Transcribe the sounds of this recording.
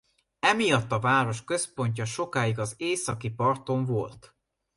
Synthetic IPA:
ɛmijɒt̪ːɒvaːɾo̞ʃkø̞spo̞ɲcɒʃo̞kaːjiɡɒzeːsɒkipɒrt̪o̞ɱvo̞lt̪

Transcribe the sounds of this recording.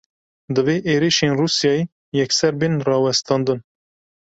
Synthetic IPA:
d̪ɨveːʔeːɾiʃeːnruːsjɑːe | jɛksɛɾbinrɑːwɛst̪ʰɑːnd̪ɨn

